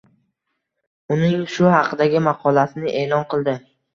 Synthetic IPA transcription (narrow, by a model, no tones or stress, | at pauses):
ʊnɪŋʃʊhɑqʰɨd̪aɡʲɪmɑqʰɒlasɪnɪʔe̞ːlˠɒnqɨlˠd̪ɪ